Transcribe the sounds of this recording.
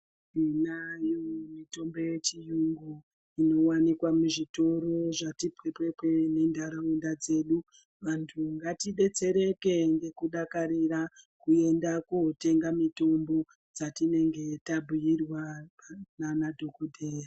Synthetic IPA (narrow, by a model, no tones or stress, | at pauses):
inajomito̞mbo̞je̞t͡ʃijuŋɡu | ino̞wanikwamuʐito̞ɾo̞ʐatipwepwepwene̞ndʱaɾaundad͡ze̞ːɗu | ʋantʰuŋɡatiɗe̞t͡se̞ɾe̞ke̞ŋɡe̞kuɗakaɾirakue̞ndakuɦote̞ŋɡamito̞mbo̞ | d͡zatine̞ŋɡe̞tabʱujirwa | nanadʱo̞kodʱeːja